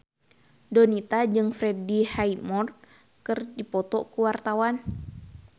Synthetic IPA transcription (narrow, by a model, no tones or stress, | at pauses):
dɔnit̪ad͡ʒɨŋfɾɛdihaimɔr | kɨrdipɔt̪ɔkuwart̪awan